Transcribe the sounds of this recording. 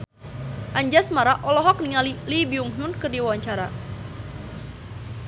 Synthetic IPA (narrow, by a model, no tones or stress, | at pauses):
ʔaɲd͡ʒasmaɾaʔɔlɔɦɔk̚niŋalilibiuŋɦunkɨrdiwawaɲt͡ʃaɾa